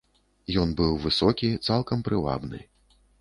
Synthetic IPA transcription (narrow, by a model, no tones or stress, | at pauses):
jɔnbɨwvɨsɔkʲit̪salˠkɐmpɾɨva̰bnɨ̰